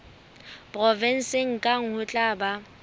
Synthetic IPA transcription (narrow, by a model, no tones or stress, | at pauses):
pʼrɔvɛn̩sɪŋ̩kʼaŋ̩hʊt͡ɬʼaba